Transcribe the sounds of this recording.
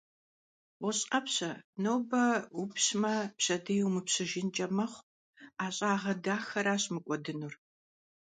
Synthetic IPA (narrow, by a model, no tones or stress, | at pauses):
wɔɕʼqɐpɕɐnowbɐupɕmɐpɕɐdɐjwmɨpɕɨʒɪnt͡ʃʼɐmɐχʷ | aːɕʼaːʁɐdaːxɐɾaːɕʼmɨkʷʼɔdɨnur